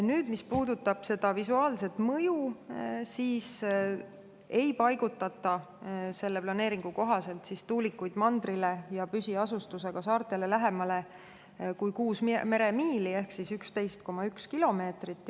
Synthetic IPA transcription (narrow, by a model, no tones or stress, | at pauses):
nyːd̪̥mispuːd̪̥ut̪ːɑb̥se̞d̪̥ɑvisuɑːlse̞t̪mɤjusiːs | e̞jpɑjɡ̥ut̪ːˑɑt̪ːˑɑ | se̞lːe̞plɑne̞ːɾiŋɡ̥uko̞ɦɑse̞lt̪sist̪uːlikːˑujd̪̥mɑnd̪̥rile̞jɑpysiɑsust̪use̞ɡ̥ɑsɑːrt̪ˑe̞le̞læɦemɑle̞ | kujkuːsmme̞ɾe̞miːlie̞hksisykst̪ejst̪̚ko̞mɑykskilo̞me̞ːt̪rit̪ːˑ